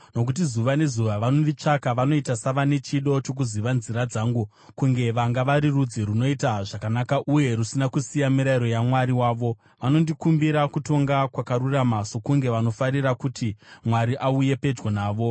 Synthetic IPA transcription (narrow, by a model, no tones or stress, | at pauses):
no̞k̬ut̬izuʋane̞zuʋaʋanoʋit͡ʂakaʋano̞itasaʋane̞t͡ʃiɗo̞t͡ʃo̞k̬uziʋanziɾad͡zaːŋɡu | kuŋɡe̞ʋaŋɡaʋaɾirud͡ziɾuno̞itaʐakanakaʔuje̞ɾusinakusijamiɾaiɾo̞jamwaɾiwaːʋo̞ | ʋano̞ndikumbiɾakuto̞ŋɡakwakaɾuramaso̞kuŋɡe̞ʋano̞faɾirakutimwaɾiʔauje̞pe̞d͡ʒɡonaːʋo̞